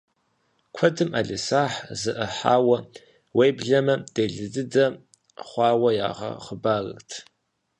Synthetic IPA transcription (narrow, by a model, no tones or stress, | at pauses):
kʷʰɐdɨmʔa̰ːɮɨsaːħzɨʔɐħa̰ːwɐ | weːjbɮɐmɐd̥eːɮɨdɨdɐ | χʷɑːwɐja̰ːʁɐ̰χəbaːrɨ̰rtʰ